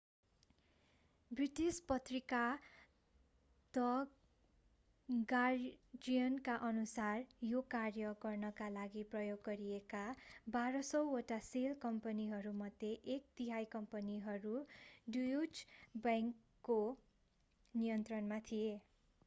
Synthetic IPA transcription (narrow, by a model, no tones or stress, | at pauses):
briʈispʌt̪rika | t̪ʌ | ɡad͡zijʌnkaʔʌnusarjokarjʌɡʌrnʌkalaɡiprʌjoɡːʌɾiekabaɾʌsʌwoʈaselkʌmpʌniɦʌɾumʌd̪ʱjeʔek̚t̪iɦajkʌmpʌniɦʌɾuɖujud͡ʒbaŋkː | o | nijʌnt̪rʌnmat̪ʰie